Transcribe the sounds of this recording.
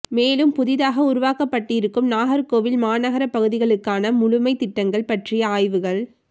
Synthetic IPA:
meːlɯmpʊðɪðaːɣɐʊɾʊʋaːkɐpːɐʈːɪɾɯkːɯmnaːɣɐɾkoːʋɪlmaːnɐɣɐɾɐpːɐɣɯðɪɣɐɭɯkːaːnɐmʊɻʊmɐɪt̪ɪʈːɐŋɡɐɭpɐʈrɪjɐaːjʋɯɣɐɭ

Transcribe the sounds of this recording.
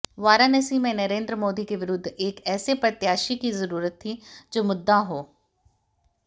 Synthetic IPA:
ʋaːɾaːnəsiːmẽnəɾẽːnd̪ɾəmoːd̪ikeʋɪɾʊd̪ʱːeːkɛːsepɾət̪jaːʃikizəɾuːɾət̪ːʰid͡ʒoːmʊd̪ːaɦoː

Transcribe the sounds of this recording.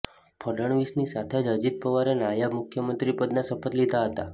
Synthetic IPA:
pʰəɖəɳʋisnisat̪ʰed͡ʒəd͡ʒit̪̚pəʋaɾenajabmukʰjəmənt̪ɾipəd̪nasəpət̪lid̪ʱaɦət̪a

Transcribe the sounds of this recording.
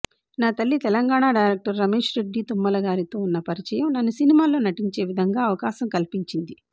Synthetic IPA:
naːt̪ɐlːit̪ɛlɐŋɡaːɳaːɖɐjɾeːk̚ʈɐɾːɐme̞ːʂɾeɖːiːt̪umːɐlɐɡaːɾit̪o̞ːunːɐpɐɾit͡ʃɐjɐmnɐnːusinimaːlo̞ːnɐʈiɲt͡ʃe̞ːʋid̪ʱɐŋɡaːɐʋɐkaːsɐmkɐlipiɲt͡ʃind̪i

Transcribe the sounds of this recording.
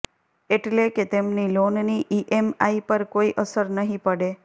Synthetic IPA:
eʈleket̪emnilonniʔiʔemaipəɾkoiʔəsəɾnəɦĩpəɽe

